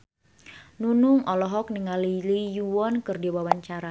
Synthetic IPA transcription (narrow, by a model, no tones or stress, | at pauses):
nunʊŋʔɔlɔɦɔk̚niŋalilijuwɔnkɨrdiwawaɲt͡ʃaɾa